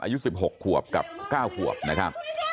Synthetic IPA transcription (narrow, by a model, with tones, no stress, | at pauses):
ʔa̰ː˧ju˦˥si˨˩p̚ɦo˨˩kʰːu˨˩əp̚ka̰˨˩p̚kaː˥˩wkʰu˨˩əp̚na˦˥kʰa˦˥p̚